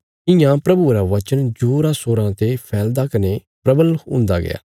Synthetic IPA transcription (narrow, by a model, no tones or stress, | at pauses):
ɪjãːpɾɐbuɾaʋət͡ʃənd͡ʒoːɾasoːɾãːt̪epʰɛːld̪aːkəne | pɾɐbəlʊ̰̃ːnd̪a̰ːɡɪ̰ja̰ː